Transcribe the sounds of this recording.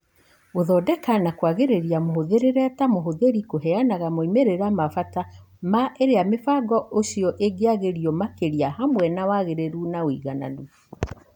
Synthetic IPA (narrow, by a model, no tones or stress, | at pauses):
oðɔːdɛkanakwaɣeɾeɾiamoɦoðeɾeɾɛtamoɦoðeɾikoɦɛanaɣamoimeɾeɾamafata | maʔeɾeamefaɡɔoɕiɔʔeɡeaɣeɾiɔmakeɾiahamwɛnawaɣeɾeɾunaoḭɣana̰nu